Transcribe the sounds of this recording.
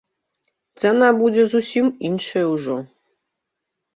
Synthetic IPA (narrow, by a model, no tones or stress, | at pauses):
t̪sɛnabud͡zʲɛzusʲiminʂɐjɛwʐɔ